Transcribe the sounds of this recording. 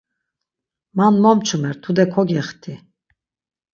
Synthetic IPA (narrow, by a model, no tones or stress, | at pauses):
manmɔmt͡ʃʰumɛɾt̪ʰud̪ɛkʰɔɡɛχt̪ʰi